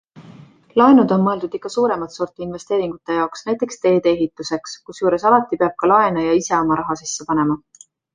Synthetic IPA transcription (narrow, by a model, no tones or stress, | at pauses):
lɑenud̪o̞nmɤe̞ld̪ud̪̥ikːˑɑsuːɾe̞mɑt̪so̞rt̪ˑiinve̞st̪e̞ːɾiŋɡ̥ut̪ːˑe̞jɑoksnæjt̪ˑːe̞kst̪e̞ːd̪eeɦit̪ːˑuse̞kskusjuːɾe̞sɑlɑt̪ːˑipeɑb̥̚kɑlɑe̞nɑjɑise̞o̞mɑɾɑɦɑsisːepɑne̞mɑ